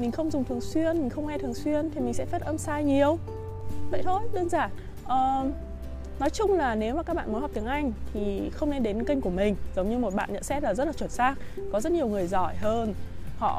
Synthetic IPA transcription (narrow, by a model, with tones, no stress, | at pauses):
mï˨˩ŋ̟xə˧wŋ͡mzʊ˨˩ŋ͡mt̪ʰɨ˨˩əŋswi˧ənmï˨˩ŋ̟xə˧wŋ͡mŋɛ˧t̪ʰɨ˨˩əŋswi˧ənt̪ʰi˨˩mï˨˩ŋ̟sɛ̰˧˥fɛ˦˥t̚ʔə˧msaː˧jɲi˨˩əw | və̰˧˨jt̪ʰo˧jɗəː˧nzaː˧˩n | ʔəː˨˩ | nɔ˨˦jt͡ɕʊ˧ŋ͡mlaː˨˩ne˨˦wmaː˨˩kaː˦˥k̚ɓa̰ː˧˨mo˨˦jɔ˨˩p̚t̪əŋʔa˧jŋ̟t̪ʰi˨˩xə˧wŋ͡mne˧nɗe˨˦nki˧ŋ̟ku˧˩əmï˨˩ŋ̟zə˨˦wŋ͡mɲɨ˧mo˨˩t̚ɓa̰ː˧˨nɲə̰˧˨nsɛ˦˥t̚laː˨˩zə˦˥t̚laː˨˩t͡ɕwə˧˩nsaː˦˥k̚kɔ˨˦zə˦˥t̚ɲi˨˩əwŋɨ˨˩əjzɔ˧˩jɦəː˧nhɔ̰˧˨